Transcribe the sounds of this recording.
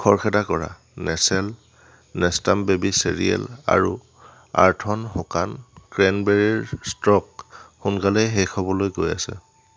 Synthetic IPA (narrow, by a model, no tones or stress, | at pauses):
kʰɔɹkʰɛdakɔɹa̰ | nɛsɛl | nɛstambebisḛɹḭɛ̰la̰ɹṵ | a̰ɹtʰɔnxɔkankɹɛnbɛɹiɹstɹɔk̚xunkalɛjɦɛxɔbɔlojɡojasɛ̰